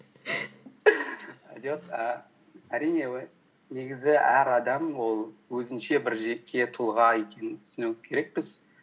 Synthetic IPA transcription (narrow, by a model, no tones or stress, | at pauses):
ɑ̰d̪ot̪ə | æɾijne̞ | neɡʲɪzɪʔæ̰ɾɑd̪ɑmwo̞lˠwɵzɪnʃe̞bɪɾʒe̞ːe̞t̪ʰʊlˠʁɑe̞kʲʰe̞nɪnt̪ʰʏ̥sɪnekʲʰe̞ɾe̞k̚pɪz̥